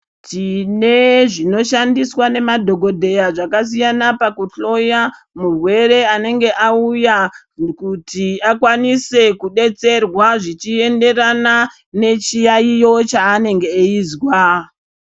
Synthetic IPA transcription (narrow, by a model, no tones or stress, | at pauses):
tine̞ʐino̞ʃandiswane̞madʱo̞ɡʱo̞dʱe̞jaʐakas̬ijanapakuɬo̞ja | murwe̞ɾe̞ane̞ŋɡe̞ʔauja | kutʰiakwanise̞kuɗe̞t͡se̞rwaʐit͡ʃie̞nde̞rana | ne̞t͡ʃijaijo̞t͡ʃaːne̞ŋɡe̞ːiːzwa